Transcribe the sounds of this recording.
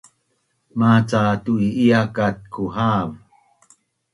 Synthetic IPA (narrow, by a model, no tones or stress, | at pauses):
mat͡satuiiakat̚kʰuhaːm